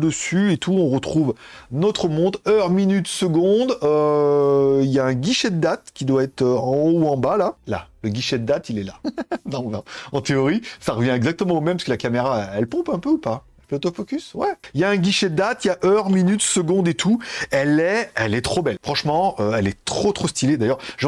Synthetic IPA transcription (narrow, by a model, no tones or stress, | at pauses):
d̪əsyet̪ʰuɔ̃ʁət̪χuvnɔt̪χəmɔ̃d̪œʁminyt̪səɡɔ̃d̪ø | iljaɛ̃ɡʲiʃɛd̪əːat̪kʲid̪waɛt̪øɑ̃ouɑ̃balala̰ləɡʲiʃɛd̪əd̪at̪ilɛlanɔ̃nɔ̃ɑ̃t̪eɔʁisaʁəvjɛ̃ɛɡzak̚t̪əmɑ̃omɛmpaskəlakameʁaɛɛlpɔ̃pɛ̃pøupaɛlfɛot̪ɔfɔkʲyswɛiljaɛ̃ɡʲiʃɛd̪əːat̪jaʔœʁminyt̪səɡɔ̃d̪et̪ʰuɛlɛɛlɛt̪χobɛlfχɑ̃ʃmɑ̃øɛlɛt̪χot̪χost̪iled̪ajœʁʒ